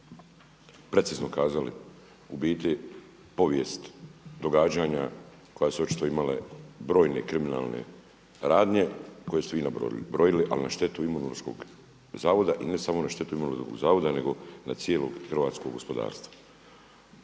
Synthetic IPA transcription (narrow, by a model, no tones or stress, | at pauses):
pɾe̞t̪sizno̞kaːzalḭ | ubiːt̪i | po̞ʋjest̪d̪o̞ɡaːd͡ʑaɲa | ko̞jasuo̞t͡ʃi̥t̪o̞imalḛbɾo̞ːjne̞kɾimina̰ːlˠnḛ | ɾaːd̪ɲe̞ko̞je̞st̪eʋiːna̰bɾo̞jiliʔa̰linaʃt̪e̞t̪uimonoɾsko̞̰ɡ | zaːʋo̞d̪aʔine̞samo̞naʃt̪e̞t̪uimonosko̰ɡzaːʋo̞d̪ane̞ɡo̞na̰t̪sjelo̞ɡxr̩ʋaːt̪sko̞ɡːo̞spo̞d̪a̰ːɾst̪ʋa